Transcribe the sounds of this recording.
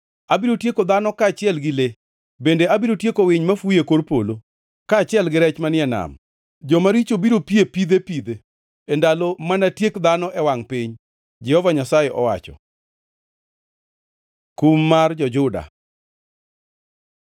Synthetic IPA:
abiɾotjekod̪anɔkaːt͡ʃɪɛlɡɪle | bendeabiɾotjekowɪɲmafujekorpolo | kaːt͡ʃɪɛlɡɪɾɛt͡ʃmanɪɛna̰m | d͡ʒɔmaɾit͡ʃobiɾopjepid̪epid̪eː | ndalomanatjekd̪anɔʔɛwaŋpɪɲ | d͡ʒɛhɔvaɲasajeʔɔwa̰t͡ʃɔ̰ | kumːard͡ʒɔd͡ʒʊda̰

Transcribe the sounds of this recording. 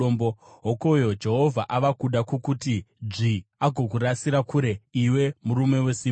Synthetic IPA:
ombo | ɦoko̞jo̞d͡ʒe̞ɦo̞vʱaʔaʋakuɗakukutid͡ʐiaɡʱo̞k̬urasiɾakuːɾe̞iwe̞muɾume̞we̞siː

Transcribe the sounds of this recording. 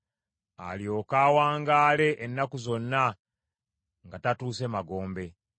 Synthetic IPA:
a̰ljo̞ːkaːwaːŋɡaːle̞ʔenːakuzo̞nːa | ŋɡatatuːse̞maɡo̞ːmbe̞

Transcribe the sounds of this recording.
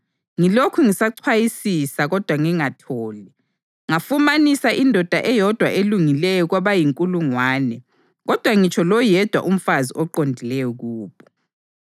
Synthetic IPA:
ŋilokʰuŋisaǀʰwajisisaɣɔd̥ʱwaŋiŋatʰɔːli | ŋafumanisaʔindʱɔd̥ʱaʔɛjɔd̥ʱwaʔeluŋilɛjɔɣwaβajiŋkʼuluŋwaːnɛ | ɣɔd̥ʱwaŋit͡ʃʰɔlɔjɛd̥ʱwa̰ʔum̩faziʔɔǃondʱilɛjɔɣuːβɔ

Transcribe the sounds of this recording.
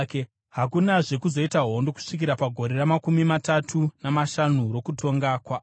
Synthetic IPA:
ke | ɦakunaʐe̞kuzo̞itaɦo̞ndo̞ku̥ʂikiɾapaɡʱo̞ɾe̞ramakumimatatʰunamaʃanuɾo̞kutʰo̞ŋɡakwa

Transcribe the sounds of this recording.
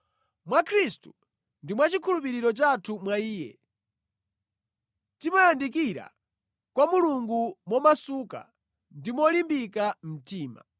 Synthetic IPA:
mwakʰɾistu̥ | ndimwat͡ʃikʰulupiɾiɾɔt͡ʃatʰumwaiːjɛ̰ | timajandik̬iɾa̰ | kwamuluŋɡumwɔmasuka̰ | ndimɔlimbikam̩tiːma̰

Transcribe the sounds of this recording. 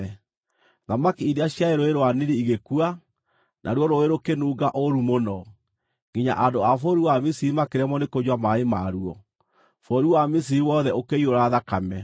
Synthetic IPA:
ðamakiiɾeaɕjaeɾoeɾoaniɾiiɣekua | nʔa̰ɾwɔɾoeɾokenuːɡaʔoɾumonɔ | ŋɡiɲa̰ʔadoafoɾiwamisiɾimakeɾɛmɔnekod͡ʑwamaemaɾuɔ | fɔɾuwamis̬iɾiwɔðɛokeioɾaðakamɛ

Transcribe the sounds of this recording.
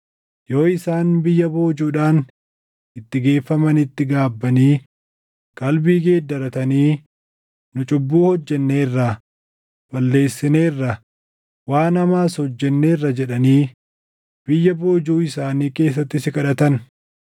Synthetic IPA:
jo̞ːɪsaːnbɪjːɐbo̞ːd͡ʒuːᶑaːn | ʔɪt̪ːɪɡe̞ːfːɐmɐnɪt̪ːɪɡaːbːɐniː | kʼɐlbiːɡe̞ːd̪ɐɾɐt̪ɐniː | nʊt͡ʃʼʊbːuːhɔd͡ʒːɛnːe̞ːrːɐ | b̥ɐlːe̞ːsːɪne̞ːrːɐ | waːnɐmaːshɔd͡ʒːɛnːe̞ːrːɐd͡ʒɛᶑɐniː | b̥ɪjːɐbo̞ːd͡ʒuːɪsaːniːke̞ːs̬ːɐt̪ːɪsɪkɐᶑɐt̪ɐn

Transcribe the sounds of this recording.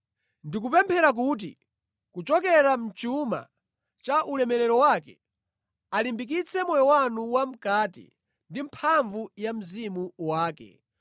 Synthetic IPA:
ndik̬upɛmpʰɛɾak̬uːt̬ḭ | kut͡ʃɔkɛɾam̩t͡ʃuma̰ | t͡ʃaʔulɛmɛɾɛɾɔwaːkɛ | alimbik̬it͡sʰɛmɔjɔwanuwam̩kaːtḭ | ndimpʰaɱvujam̩zimuwaːkɛ̰

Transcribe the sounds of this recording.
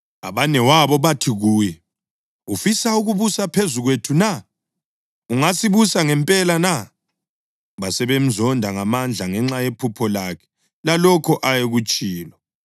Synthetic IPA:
aβanɛwaβɔβatʰiɣuːjɛ | ufisauɣuβusapʰezuɣwetʰuna | uŋasiβusaŋɛmpʼɛlana | βasɛβem̩zɔndʱaŋamand͡ɮʱaŋɛŋ͡ǁajepʰupʰɔlakʰɛ̥ | lalɔkʰɔʔajeɣut͡ʃʼiːlɔ

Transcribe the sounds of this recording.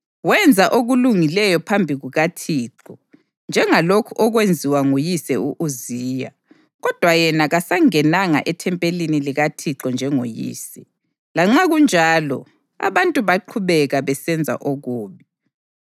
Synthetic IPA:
wɛnd͡zʱaʔoɣuluŋilɛjɔpʰambʱiɣuɣatʰiːǁɔ | nd͡ʒʱɛŋalokʰuʔɔɣwend͡zʱiwaŋojisɛuʔuziːja̰ | ɣɔd̥ʱwajɛnaɣasaŋɛnaŋa̰ʔɛtʰɛmpʼeliniliɣatʰiǁɔnd͡ʒʱɛŋojḭːsɛ | laŋ͡ǁaɣund͡ʒʱaːlɔ̰ | a̰βantʼuβaǃʰuβɛɣaβɛsɛnd͡zʱa̰ʔoɣuːβi

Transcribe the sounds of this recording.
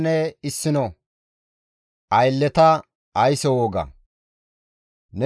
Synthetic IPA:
nɛɪsːɪnɔ | ʔɐjlːɛt̪ɐː | jsɛwoːɡɐ̰ | nɛ

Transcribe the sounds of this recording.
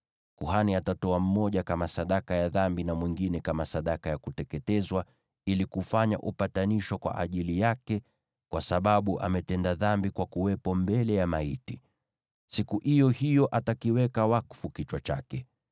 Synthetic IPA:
kuhaniatatɔam̩mɔʄakamasaɗakajaðambinamwiŋɡinɛkamasaɗakajakutɛkɛtɛzwa | ilikufaɲa̰ʔupataniʃɔkwa̰ʔa̰ʄilijakɛ | kwasaɓaɓuʔa̰mɛtɛndaðambikwakuwɛpɔmbɛlɛjamaiti | sikuʔijɔhijɔʔatakiwɛkawakfukit͡ʃwat͡ʃa̰kɛ

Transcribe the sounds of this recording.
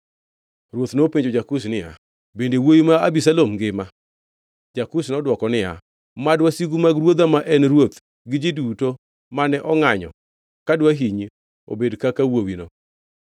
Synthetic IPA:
ɾwot̪nopiɲd͡ʒod͡ʒakus̬nɪja̰ | bendewojimaabisalomɡɪma | d͡ʒakusnɔdwɔkɔnɪja̰ | madwasiɡumaɡɾwod̪amaʔɛnɾwot̪ | ɡɪd͡ʒiduto | manɛʔɔŋaɲɔ̰ | kadwaɦiɲi | o̰bedkakawowino

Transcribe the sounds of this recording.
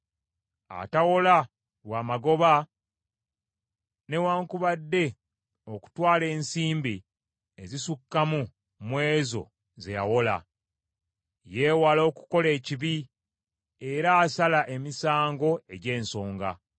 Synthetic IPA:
a̰tawo̞la | waːmaɡo̞βa | ne̞waːŋkuβadːe̞ | o̞ku̥twaːle̞ːnsiːmbi | ezisukːamu | mwe̞ːzo̞̰ | ze̞̰ja̰wo̞la̰ | je̞ːwalo̞ːku̥ko̞le̞ːciβi | eɾaːsalaʔe̞misaːŋɡo̞e̞ɟe̞ːnso̞ːŋɡa̰

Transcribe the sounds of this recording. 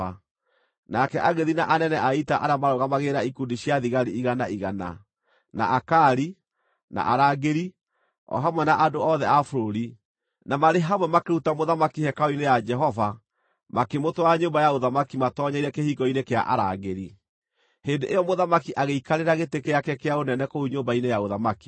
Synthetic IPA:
a | nakɛʔaɣeðinaʔanɛnɛʔaitaʔaɾamaɾɔɣamaɣeɾaikundiɕjaðiɣaɾiiɣanaiɣana̰ | na̰ʔakaɾi | na̰ʔaɾaɡeɾi | ɔ̰ɦamwɛnaʔadoɔðɛafoɾoɾi | namaɾeɦamwɛmakeutamoðamakihɛkaɔinejad͡ʒɛɦɔva | makemotwaaɲoːmbajaoðamakimatɔːɲaiɾɛkehiɡɔinekea̰ʔa̰ɾaɣeɾi | hendeʔejɔmoðamakiʔaɣeikaɾeɾaɣetekejakɛkeaonɛnɛkouɲoːmbainejaoðamaki̥

